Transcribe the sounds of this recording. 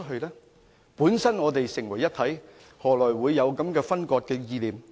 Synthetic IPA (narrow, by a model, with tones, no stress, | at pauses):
t̚ɦɵ˧lɛː˥ | puː˨˥nsɐ˥nŋɔː˨˧t̪e˨jsɪ˨˩ŋwɐ˨˩jːɐ˥t̪ʰɐ˨˥j | hɔː˨˩lɔː˨˩jwuː˨˧jːɐ˨˧wkɐ˨˥mkɛː˧fɐ˥nkɔː˧t̚kɛː˧jiː˧liː˨m